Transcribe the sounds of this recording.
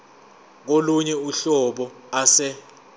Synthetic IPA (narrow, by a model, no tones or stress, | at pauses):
k̬oluɲɛuɬɔɓɔ | asɛ